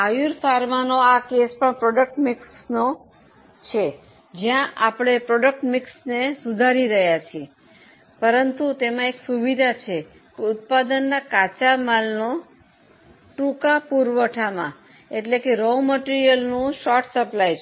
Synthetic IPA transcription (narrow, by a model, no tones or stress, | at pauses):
ajuɾfʰaɾmanoakespəɳpɾɔɖək̚ʈmɪksno | t͡ʃʰe | d͡ʒjãʔapɽ̃epɾɔɖək̚ʈmɪksnesud̪ʱaɾiɾəɦjat͡ʃʰie | pəɾənt̪ut̪emãeksuʋid̪ʱat͡ʃʰe | keʊt̪̚pad̪ənːakat͡ʃamalno | ʈũkapuɾʋəʈʰamã̰ | eʈlekeɾoməʈiɾijəlnũʃɔɾʈsəplajt͡ʃ